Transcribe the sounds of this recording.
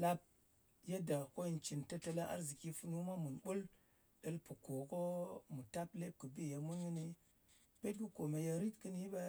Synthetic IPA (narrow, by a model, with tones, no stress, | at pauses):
la˦p̚ | je˦da˨ko˦i˨nt͡ʃi˨nta˦ta˨la˦ʔa̰˦ɾzi˨ki˦fu˦nu˦ma˦mu˨nbu˦l | ɗə˦lpu˨ko˨ko˦mu˨ta˦ple˦p̚kɨ˨bi˦˨je˨mu˦nɡɨ˦ni˦ | pe˦t̚ɡu˦ko˨me˨ja˦˧ɾi˦kːɨ˦ni˦ba˦